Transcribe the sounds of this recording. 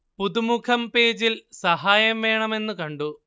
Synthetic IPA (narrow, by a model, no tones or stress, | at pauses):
puðumukʰɐmpe̞ːd͡ʑilsɐɦaːjɐmʋe̞ːɳɐme̞nːɨkɐɳɖu